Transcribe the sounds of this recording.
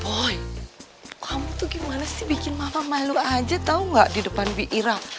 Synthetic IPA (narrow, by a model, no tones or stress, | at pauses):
bɔj | kʰamut̪uɡimanasɪhbikɪnmamamaluad͡ʒat̪auŋɡaʔdidəpanbiʔiɾak̚